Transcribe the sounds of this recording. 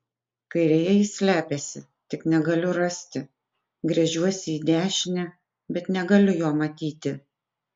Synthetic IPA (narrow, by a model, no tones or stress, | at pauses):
kɐɪɾʲɛjɛisʲlʲæːpʲesʲɪ | t̪ʲɪknʲɛɡɐlʲʊɾɐsʲt̪ʲɪ | ɡɾʲɛʒʲuɔsʲɪiːd̪ʲæːʃʲɪnʲɛ | bʲɛt̪nʲɛɡɐlʲʊjoːmɐt̪ʲiːt̪ʲɪ